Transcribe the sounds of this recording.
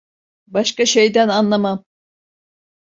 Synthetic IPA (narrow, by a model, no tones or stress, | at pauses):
bɑʃkɑʃæjd̪ænɑnlˠɑmɑm